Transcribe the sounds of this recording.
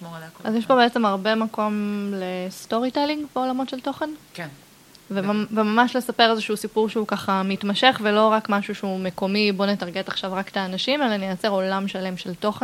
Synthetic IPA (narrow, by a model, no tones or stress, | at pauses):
ʔazjɛʃbobeet͡se̞maʁbe̞mako̞mlest̪o̞ʁit̪eliŋɡbeolamo̞tʃelt̪o̞χenk | vevemamaʃle̞sape̞ʁezeʃuusipuʁʃeukaχamit̪maʃe̞χvelo̞ʁakmaʃuʃeumeko̞mibo̞net̪aʁɡet̪aχʃavʁakt̪aːnaʃimelanejat͡se̞ʁo̞lamʃale̞mʃelt̪o̞χen